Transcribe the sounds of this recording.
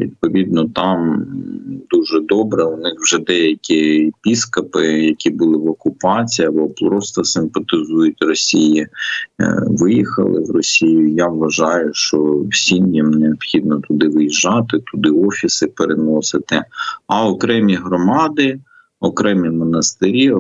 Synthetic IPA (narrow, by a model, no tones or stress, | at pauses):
ʋʲḭd̪̚pɔʋʲid̪nɔt̪ɑm | d̪uʒɛd̪ɔbɾɛʊnɪxwʒɛd̪ɛjɐkʲipʲiskɐpɪjɐkʲibʊlˠɪʋɔkʊpɑt͡sʲijɐbɔplɾɔst̪ɔsɪmpɐt̪ɪzujʊtʲrɔsʲiji | ʋɪjixɐ̰lˠɪ̰wrɔsʲijʊjaʋːɐʒɑjʊʃt͡ʃɔwsʲinʲjɐmneɔbxʲid̪̚nɔt̪ʊd̪ɪʋɪjiʒɑt̪ɪt̪ʊd̪ɪɔfʲisɪpeɾenɔsɪt̪ɪɐɔkɾɛmʲiɦɾɔmɑd̪ɪ | ɔkɾɛmʲimɔnɐst̪ɪɾʲi